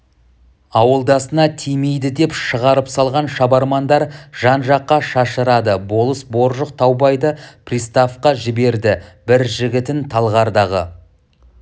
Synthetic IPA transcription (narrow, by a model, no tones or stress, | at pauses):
ɑwəlˠd̪ɑsənɑt̪ʰijme̞jd̪ɪd̪e̞pʃəʁɑɾəpsɑlˠʁɑnʃɑbɑɾmɑnd̪ɑɾʒ̥ɑnʒɑqːɑʃɑʃəɾɑd̪əbo̞lˠəsbo̞ɾʒəq̚t̪ʰɑwbɑjd̪əprʲijst̪afqɑʒɪbe̞ɾd̪ɪbɪɾʒɪɡʲɪt̪ɪnt̪ʰɑlˠʁɑɾd̪ɑʁə̰